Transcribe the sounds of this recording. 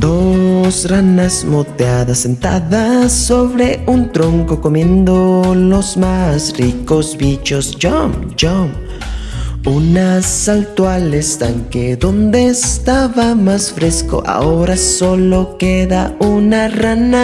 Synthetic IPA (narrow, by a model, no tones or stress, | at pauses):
d̪osranasmot̪eaðasːent̪a̰ðasːo̞βɾeunt̪ɾoŋkokomje̞nd̪olozmasrikozbit͡ʃosd͡ʒom | d͡ʒom | unasalt̪walest̪aŋkeðond̪est̪aβamasfɾesko̰ʔa̰oɾasolo̞keðaunarana